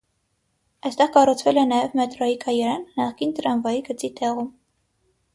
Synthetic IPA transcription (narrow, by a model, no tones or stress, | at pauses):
ɑjst̪ɛʁkɑrut͡sʰvɛlɛnɑjɛvmɛt̪ɾɔikʰɑjɛɾɑnːɑχkint̪əɾɑnvɑjiɡət͡sit̪ʰɛʁum